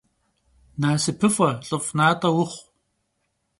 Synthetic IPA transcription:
naːsɨpʰɨfʷɐɬʼɨfʼnaːtʼɐwʊχʷ

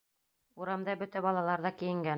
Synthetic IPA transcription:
uɾɑmd̪ɑbɵ̆t̪æbɑlˠɑlˠɑɾðɑkĭjɘ̆ŋɡæn

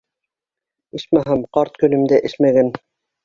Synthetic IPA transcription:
ɘʃmæɦɑmqɑɾt̪̚kɵ̆lɘ̆md̪æʔɘ̆ʃmæɡæn

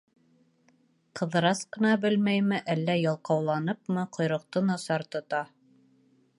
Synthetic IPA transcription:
qʰɤ̆ðɤ̆ɾɑsqɤ̆nɑbɘlmæjmɘʔælːæjɑlˠqɑwlˠɑnɤpmɤqŏjɾŏq̚t̪ɤnɑsɑɾt̪ŏt̪ɑ

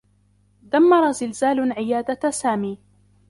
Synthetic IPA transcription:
d̪amːɑɾˤɑzɪlzaːlʕɪjaːd̪asaːmiː

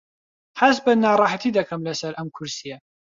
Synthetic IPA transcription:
ħas̬bɐnːaːɾˤɑːħat̪ʰiːd̪ɐkʰɐmlɐsɐɾʔɐmkʰʊɾsija

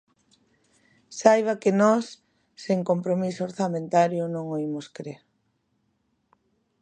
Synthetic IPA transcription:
sajβ̞akɪnɔsː | eŋkompɾomisooɾθamẽnt̪aɾjonõŋoimoskɾeɾ

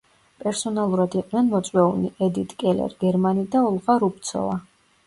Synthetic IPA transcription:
pʼɛɾsɔnalˠuɾad̪iqʼnɛnmɔt̪sʼwɛuniʔɛd̪it̪ʼkʼɛlɛ̰ɾɡɛɾmanid̪aɔlˠʁaɾup̚t̪sʰɔ̰va

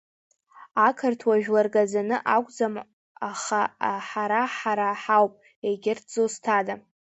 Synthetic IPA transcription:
akʰɨrtʰwaʒᶣlarɡʼad͡zanɨʔakʷʼd͡zam | aχaaħaɾaħaɾaħawpʼ | eɡʲɪrtʰd͡zostʰadam

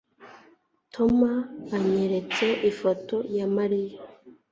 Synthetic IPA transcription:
tʰo̞maβaɲeɾet͡se̞ʔifoto̞jamaɾija

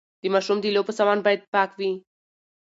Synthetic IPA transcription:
d̪̥imaʃumd̪ilʲopəsamanbajt̪̚pakvi

